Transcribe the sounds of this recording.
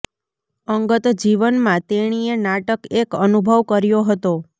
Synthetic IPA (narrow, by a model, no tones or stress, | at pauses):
əŋɡət̪d͡ʒiʋənmãt̪eɽ̃ienaʈəkekənubʱəʋkəɾjoɦət̪o